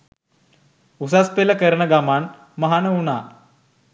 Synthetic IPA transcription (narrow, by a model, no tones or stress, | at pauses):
usaspeləkəɾɳəɡaman | məɦanəʋuna